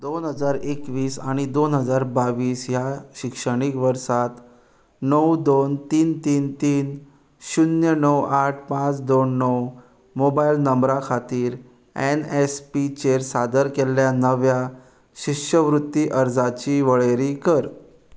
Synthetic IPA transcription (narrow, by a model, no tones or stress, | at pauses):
d̪onɦəd͡zaɾekʋiːsaɽ̃id̪onɦəd͡zaɾbaʋiːsjaɕikʂəɽ̃ikʋəɾsat̪ | nəwd̪ont̪iːnt̪iːnt̪iːn | ɕunjənəwaʈʰpãt͡sd̪onːəw | mobailnəmbɾakʰat̪iːɾ | ɛnespit͡ɕeɾsad̪əɾkelːjanəʋja | ɕikʂəʋɾut̪ːiʔəɾd͡zat͡ɕiːʋəɭeɾiːkəɾ